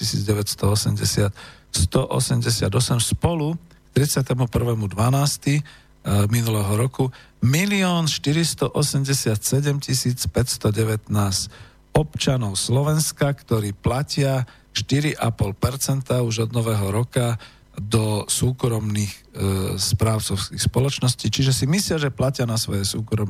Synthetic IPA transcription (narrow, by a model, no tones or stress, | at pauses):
cisiːd͡zɟɛʋɛcst̪ɔɔsɛmɟɛsɪat̪ | st̪ɔʔɔ̰sɛmɟɛsɪad̪ɔsɛmspɔlukt̪ɾit͡sɪat̪ɛmupr̩ʋɛːmud̪ʋanaːst̪i | minulɛɦɔɾɔku | miliɔːnʃt̪iɾist̪ɔʔɔsɛmɟɛsɪat̪sɛɟɛmcisiːt͡spɛcst̪ɔɟɛʋɛt̪naːs | ɔpt͡ʃanɔʊslɔʋɛnskakt̪ɔɾiːplacɪa | ʃt̪iɾiʔapɔlpɛɾt͡sɛnt̪auʒɔd̪nɔʋɛɦɔɾɔka | d̪ɔsuːkɾɔmniːxspɾaːʊt͡sɔʊskixspɔlɔt͡ʃnɔsciːt͡ʃiʒɛsimislɪaʒɛplacɪanasʋɔ̰jɛsuːkɾɔm